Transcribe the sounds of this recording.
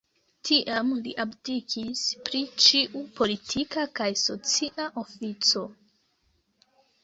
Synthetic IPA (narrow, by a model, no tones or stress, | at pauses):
tʰiʔamliʔabdikʰispɾit͡ʃiʔupo̞litʰikakajso̞t͡siʔaʔo̞fit͡so̞